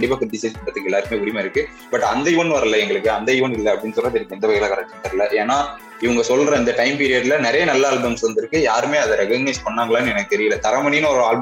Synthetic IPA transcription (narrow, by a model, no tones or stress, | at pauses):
ɐɳɖɪp̬ːaːkɐɖɪsɐspɐʈːɐt̪ːɯkːɯɛlːaːɾɯkɯmeːʊɾɪmaːɪɾɯkːɯ | bɐʈːɐnd̪ɐjʊʋɐnʋɐɾɐlːɐɛŋɡɐɭɯkːɯɐnd̪ɐjʊʋɐnɪlːɐɐpːɐɽɪnːsɔlːraːt̪ɪɾɪkːɛnd̪ɐʋɐɣɛɣlakɐɾɐk̚ʈːɐntɐɾɐlːɐʔeːnaː | ɪʋɐŋɡɐsɔlːɾɐɪnd̪ɐʈɐɪmpiːɾɪjɐɽlɐnɛɾɐjɐnɐlːɐaːlbɐmsʋɐnd̪ɪɾɯkːɯjaːɾɯmeːɐðɐɾɛkɐɡnespɐɳːaːŋɡɐɭaːnɛnɐkːɯt̪ɛɾɪjɐlːɐt̪ɐɾɐmɐninʊ̃ɔɾɯaːlb